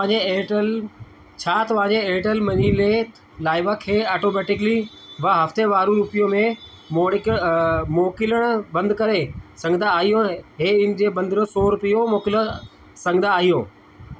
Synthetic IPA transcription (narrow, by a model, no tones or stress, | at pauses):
eeʈəl | t͡ɕʰaːt̪ɐʋãːɲd͡ʑeeːʈəlmɐɲiːle | laːɪʋakʰːeːaːʈoːmɛːʈɪkli | ʋaɦɐft̪eʋaːɾũɾuːpijõmẽ | moːɽɪkmoːkɪləɽ̃bɐ̃nd̪kɐɾesɐ̃ŋɡd̪aːɦijõɦeːɪn̆d͡ʑeːbɐ̃nd̪ʱɾosoːɾʊpijomoːkɪl | sɐ̃ŋɡnd̪aːɦijõː